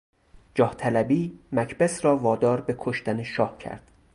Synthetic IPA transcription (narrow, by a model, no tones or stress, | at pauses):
d͡ʒɒːht̪ʰælæbiːmæcʰbesɾɒːvɒːd̪ɒːɾbe̞kʰoʃt̪æneʃɒːhcʰæ̰ɾd̪̥